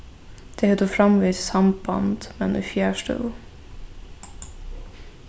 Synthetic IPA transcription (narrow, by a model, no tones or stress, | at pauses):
d̪̥eːhɛd̪uːfɾɑmʋiːssɑmbɑ̰nd̪̥mɛnṵfjæːʃtə̰